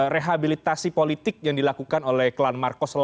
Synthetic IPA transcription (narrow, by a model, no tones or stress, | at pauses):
reɦabilit̪asipolit̪ɪk̚jaŋdilakukanolɛhklanmarkɔsl